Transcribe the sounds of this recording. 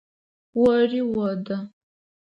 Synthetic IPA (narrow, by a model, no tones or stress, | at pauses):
wɔriwɐdɐ